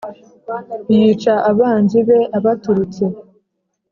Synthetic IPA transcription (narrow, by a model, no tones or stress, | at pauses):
jiːt͡ʃaʔaβaːnziβe̞ʔaβatuɾut͡se̞